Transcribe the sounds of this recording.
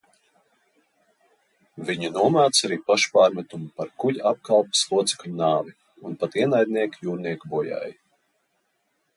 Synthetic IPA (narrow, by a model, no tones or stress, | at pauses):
viɲinuɔmaːt̪saɾiːpaʃpaːɾmɛt̪umpaɾkuʎap̚kalˠpu̥slˠuɔt̪si̥klnaːvʲi | unpat̪iɛnajd̪̚niɛkjuːɾniɛkbuja̰ːj